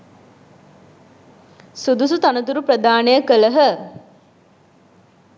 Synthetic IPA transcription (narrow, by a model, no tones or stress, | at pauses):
sud̪usut̪anət̪̬uɾupɾəd̪aːnəjəkələɦə